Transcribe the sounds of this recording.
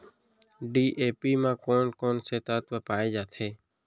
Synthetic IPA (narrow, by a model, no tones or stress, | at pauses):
ɖiːʔeːpiːmãːkoːnkoːnseːt̪aːt̪ʋəːpaːeːd͡ʒaːt̪ʰeː